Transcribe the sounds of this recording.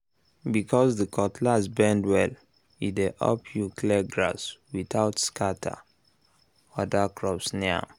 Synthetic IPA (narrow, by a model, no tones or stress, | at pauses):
bikʰɔsðəkʰɔtʰlasbɛ̃ndwɛl | ideʔɔ̰pʰjuklɛɡɹaswiθaʊtskʰatʰa̰ | ɔdakʰɹɔpsnɛa̰